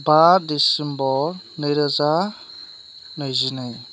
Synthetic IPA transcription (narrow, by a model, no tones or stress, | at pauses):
baɾdisimbɔɾ | nɯjɾɯza | nɯjzinɯj